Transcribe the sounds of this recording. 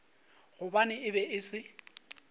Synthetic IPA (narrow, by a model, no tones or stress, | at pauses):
ɣʊbanɪɪbɛɪsɪ